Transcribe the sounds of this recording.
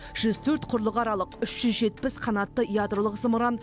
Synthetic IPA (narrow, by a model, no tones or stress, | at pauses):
ʒ̥ʏzt̪ʰɵɾt̪qʰʊɾlˠəqɑɾɑlˠəqʏʃʒ̥ʏzʒe̞t̪pɪsqʰɑnɑt̪ːəijad̪ɾolˠəqsəməɾɑn